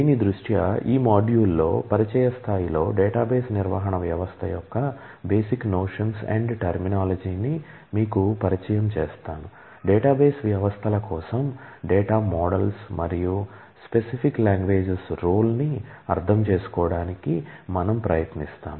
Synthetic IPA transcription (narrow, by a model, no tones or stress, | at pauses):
d̪iːnid̪ɾuʂʈjɐiːmaːɖjuːlːo̞ːpɐɾit͡ʃɛjɐst̪ʰaːjilo̞ːɖeːʈaːbeːsniɾʋɐ̰ːɦɐɳɐʋjɐʋɐst̪ʰɐjɔkːɐ | beːsiknoːʂɐnsɛ̰ɳɖʈɐɾminaːlɐd͡ʒiːni | miːkupɐɾit͡ʃɐjɐmt͡ʃɛ̰ːst̪aːnu | ɖɛːʈaːbeːsʋjɐʋɐst̪ʰɐlɐkɔːsɐmɖeːʈaːmɔːɽɐlsmʔɐɾiju | spesipʰikːlaːŋɡʋe̞ːd͡ʒesɾoːlniɐ̰ɾt̪ʰɐmt͡ʃe̞ːsu̥kɔːɽaːnikimɐnɐmpɾɐjɐt̪nist̪a̰ːm